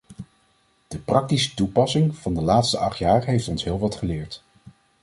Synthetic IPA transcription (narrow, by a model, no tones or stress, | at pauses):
d̥əprɑk̚tisə̥tupɑsɪŋv̥ɑndəlaːtstəʔɑχtjaːɹɦejftɔnsɦɪːlˠʋɑtχəlɪːɹt